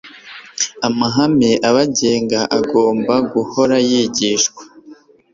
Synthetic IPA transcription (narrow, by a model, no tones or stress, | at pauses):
amaɦameʔaβaɟeːŋɡaʔaɡo̞ːmbaɡuho̞ɾajiɟiʃkwḁ